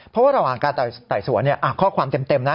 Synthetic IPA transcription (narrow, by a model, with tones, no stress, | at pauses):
pʰɔ˦˥waː˥˩ɾa˧waː˨˩ŋkaː˧nt̪a˨˩jt̪aː˨˩jsu˨˩˦ni˥˩ɐʔa˨˩kʰɔː˥˩kʰwaː˧mt̪e˧mt̪e˧mna˦˥